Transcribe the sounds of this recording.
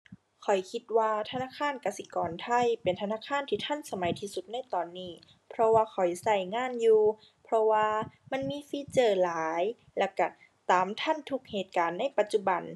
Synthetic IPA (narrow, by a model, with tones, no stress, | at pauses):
kʰɔ˨˩jkʰi˧t̪̚waː˧t̪ʰa˧naː˧˥˨kʰaː˧˥˨nka˧si˧˦kɔː˨nt̪ʰa˧˩˨jpe˨nt̪ʰa˧naː˧˥˨kʰaː˧˥˨nt̪ʰiː˧t̪ʰa˧˥˨nsa˧ma˨˦jt̪ʰiː˧su˧t̪̚na˧˥˨jt̪ɔː˨nːiː˧˩ | pʰɾɔ˧waː˧kʰɔ˨˩jsa˧˩jŋaː˧˥˨njuː˧ | pʰɾɔ˧waː˧ma˧˥˨nmiː˧˥fiː˧˥t͡ɕɤː˧˩laː˨˦j | lɛ˧˩ka˧˩ | t̪aː˨˦mt̪ʰa˧˥˨nt̪ʰu˧˩k̚heː˨˩t̪̚kaː˨˦nːa˧˥˨jpa˧t̪̚t͡ɕu˧ba˨˩n